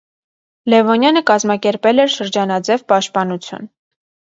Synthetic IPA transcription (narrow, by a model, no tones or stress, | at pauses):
lɛvɔnjɑnəkɑzmɑkɛɾpɛlɛɾʃəɾd͡ʒɑnɑd͡zɛvpɑʃt̪̚pɑnut͡sʰjṵn